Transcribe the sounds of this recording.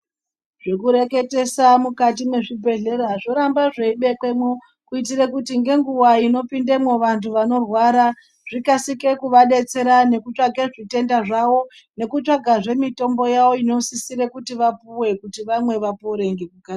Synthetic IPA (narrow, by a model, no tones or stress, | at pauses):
ʐ̥e̞kuɾe̞ke̞te̞samukat̬ime̞ʐibʱe̞ɮe̞ɾaʐo̞ɾambaʐe̞iɓe̞kwemwo | kuit̬irekutiŋɡe̞ŋɡuwaino̞pindemoʋantʰuʋano̞rwaɾa | ʐ̥ikasike̞kuʋaɗe̞t͡se̞ɾane̞kut͡ʂaɡʱe̞ʐite̞ndaʐawo̞ | ne̞kut͡ʃaɡʱaʐe̞mito̞mbo̞jawo̞ino̞sisiɾekutiʋapuwe̞kutiʋamwe̞ʋapoɾeŋɡekuka